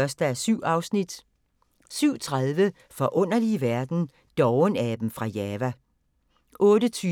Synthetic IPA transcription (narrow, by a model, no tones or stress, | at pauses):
ɶɐsd̥əæsyʊ̰ɑ̈ʊsnid̥ | syʊ̰t͡sʰʁaðˠʋə | fɒ̽ʔɔ̽n̰ɐliʋæɐd̥n̩ | d̥ɒʊnæd̥m̩fʁɑ̈jɛːʋæ | ʔɔ̽ːɾət͡sʰyː